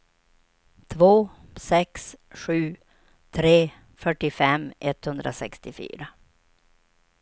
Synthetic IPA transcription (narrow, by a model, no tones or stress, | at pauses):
t̪ʰvoː | sɛksɧʉ̟ː | t̪ʰɾeː | fœʈːɪfɛmʔɛt̪hɵnd̪ɾʔa̰sɛkst̪ɪfy̰ːɾa